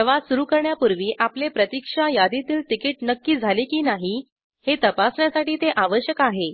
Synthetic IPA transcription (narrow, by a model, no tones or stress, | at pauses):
əʋasuɾukəɾɳjapuɾʋiːʔaplepɾət̪ikʂajad̪it̪iːlʈ̪ikiʈnəkːiːd͡zʱalikiːnaɦi | het̪əpasɳjasaʈiːt̪eʔaʋəɕjəkaɦe